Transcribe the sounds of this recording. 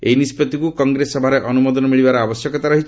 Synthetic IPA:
ejnispɔt̪ikukɔŋɡɾesɔbʱaɾeʔɔnumɔd̪ɔnɔmiɭibaɾɔabɔsjɔkɔt̪aɾɔɦit͡ʃʰ

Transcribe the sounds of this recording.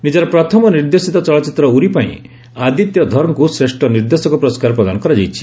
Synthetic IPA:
nid͡ʒɔɾɔpɾɔt̪ʰɔmɔniɾd̪esit̪ɔt͡ʃɔɭɔt͡ʃit̪ɾɔuɾipaḭ̃ | ad̪it̪jɔd̪ʱɔɾɔŋkusɾesʈʰɔniɾd̪esɔŋkɔpɾɔskaɾɔpɾɔd̪anɔkɔɾad͡ʒajt͡ʃʰi̥

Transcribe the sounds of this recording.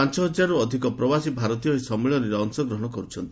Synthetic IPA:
ant͡ʃɔɦɔd͡ʒaɾuɔd̪ʱikɔpɾɔbasibʱaɾɔt̪ijɔisɔmeɭɔɾeɾɔɔŋsɔɡɾɔɦɔɽ̃ɔkɔɾut͡ʃʰɔnt̪i

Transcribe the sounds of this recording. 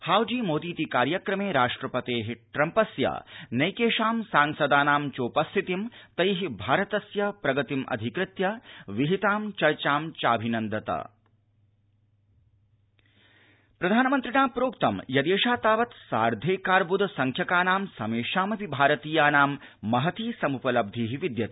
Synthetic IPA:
haːwd͡ʒiːmoːd̪iːt̪ikaːɾjɐkɾɐmeːɾaːʂʈɾɐpɐt̪eːɦiʈɾɐmpɐsjɐ̰nɐjkeːʃaːmsaːŋsɐd̪aːnaːmt͡ʃoːpɐst̪ʰit̪imt̪ɐjɦibʱaːɾɐt̪ɐsjɐpɾɐɡɐt̪imʔɐ̰d̪ʱikɾɪt̪jɐʋiɦit̪aːmt͡ʃɐɾt͡ʃaːmt͡ʃa̰ːbʱinɐnd̪ɐt̪ɐ̰ | pɾɐd̪ʱaːnɐmɐnt̪ɾinaːpɾoːkt̪ɐmjɐd̪eːʃaːt̪aːʋɐt̪sa̰ːɾd̪ʱeːkaːɾbud̪ʱɐsɐŋkʰjɐkaːnaːmsɐmeːʃaːmɐʋibʱaːɾɐt̪iːjaːnaːmːɐɦɐt̪iːsɐmupɐlɐb̚d̪ʱiːɦiʋid̪jɐt̪

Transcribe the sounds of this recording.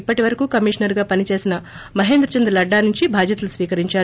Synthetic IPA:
pːɐʈiʋɐɾɐkuːkɐmiʂɐnɐɾɡaːpɐnit͡ʃe̞ːsinɐ | mɐɦe̞ːnd̪ɾɐt͡ʃɐnd̪ɾɐlɐɖːaːnuɲt͡ʃibʱaːd͡ʒ̪jɐt̪ɐlusʋiːkɐɾiɲt͡ʃaː

